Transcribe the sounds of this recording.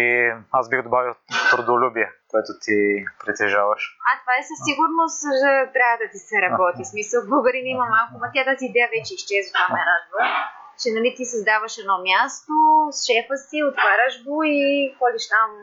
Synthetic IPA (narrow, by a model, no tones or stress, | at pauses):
iazbixd̪obavilˠt̪ɾod̪olʲubiɛkoɛt̪ot̪ʰipɾit̪ɛʒavɐʃat̪vaɛsɐsiɡʊɾnost̪ʒət̪ɾʲavəd̪ɐt̪isɛɾɐbɔt̪ismisəlˠbəɡəɾinimɐmalˠkʊmɐt̪ʲat̪aziːd̪ɛjəvɛt͡ʃɛiʃt͡ʃɛzvot̪vamɛɾad̪və | t͡ʃɛnɐlit̪isɐzd̪avɐʃɛd̪nɔmʲjast̪osʃɛfəsiot̪vaɾəʒɡoixɔd̪iʃt̪am